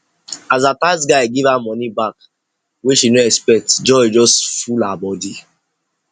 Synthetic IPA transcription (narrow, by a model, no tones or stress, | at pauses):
azatasɡaɪɡivamɔnibak | weʃinoɛkspɛk̚td͡ʒɔid͡ʒɔstfulabɔdi